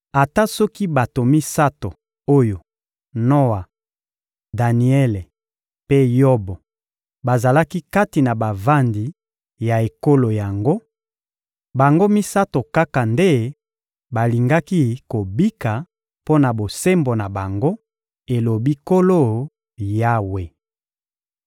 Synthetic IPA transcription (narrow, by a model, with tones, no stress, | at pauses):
a˨ta˦sɔ˦ki˦ba˨to˨mi˦sa˦to˨ | o˦jo˨ | no˦wa˨ | da˨ni˨ɛ˦le˨ | pe˦jo˦bo˨ | ba˨za˨la˦ki˦ka˦ti˨na˨ba˨va˦ndi˨ | ja˨e˨ko˦lo˨ja˨ŋɡo˦ | ba˨ŋɡo˦mi˦sa˦to˨ka˦ka˨nde˦ | ba˨li˨ŋɡa˦ki˦ko˨bi˦ka˨ | po˦na˨bo˨se˦mbo˨na˨ba˨ŋɡo˦ | e˨lo˨bi˦ko˦lo˦ | ja˦we˨